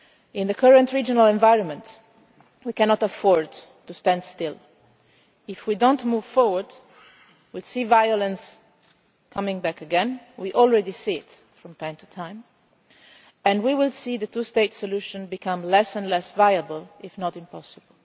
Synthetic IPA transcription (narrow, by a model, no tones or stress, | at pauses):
ɪ̃nðəkʰəɹə̃ntɹid͡ʒɔnalɛ̃ɱvaɪɹɔ̃nmɛ̃nt | wikɛnɔtafɔɹd | tustæ̃ndstɪl | ɪfwidõntmuv̥fɔɹwəɹd | wilsivajɔlə̃ns | kʰʌmɪ̃ŋbækəɡɛ̃nwiʔɔlˠɹɛdisiɪt | fɹɔ̃mt̪ʰãɪ̃mtʰu̥tʰãɪ̃m | ɛ̃ndwiwɪlˠsiðətusteɪtsɔluʃə̃nbikʰʌ̃mlɛsɛ̃nlɛsvajəbəlˠʔɪfnɔtɪ̃mpɔsəbəll